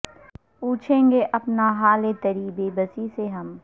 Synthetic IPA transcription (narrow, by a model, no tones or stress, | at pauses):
puːt͡ʃʰẽːŋɡeʔɐpnaɦaːlet̪ɐɾiːbeːbɐsiseɦɐm